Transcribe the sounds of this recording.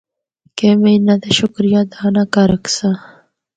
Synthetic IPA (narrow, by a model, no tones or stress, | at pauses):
kemeinad̪eʃʊkɾijad̪aːnakaɾɐksa